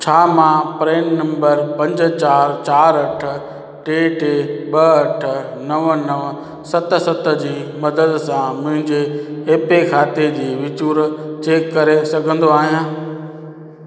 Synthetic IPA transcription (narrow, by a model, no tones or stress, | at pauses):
t͡ɕʰaːmãpɾeːnnɐ̃mbəɾpɐ̃ɲd͡ʑt͡ɕaːɾt͡ɕaːɾɐʈ̆ʰ | ʈeːʈeːɓɐɐʈ̆ʰ | nɐʋnɐʋ | sɐt̪̆sɐt̪ə̆d͡ʑiːmɐd̪əd̪sãmʊ̃ɦɪ̃ɲd͡ʑeːpekʰaːt̪ed͡ʑiːʋɪt͡ɕuːɾt͡ɕeːkːɐɾesɐɡʱə̃nd̪oaːɦijãː